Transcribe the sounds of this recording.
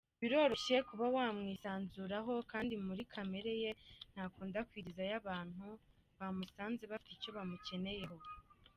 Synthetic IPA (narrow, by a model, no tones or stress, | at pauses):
βiɾo̞ːɾo̞ʃekuβawaːmŋiːsaːnzuɾaɦo̞kaːndimuɾikʰame̞ɾe̞je̞n̥haːkuːndakwiːɾizajaβaːn̥hu | βamusaːnze̞βafi̥t̪ico̞βamuce̞ne̞je̞ho̞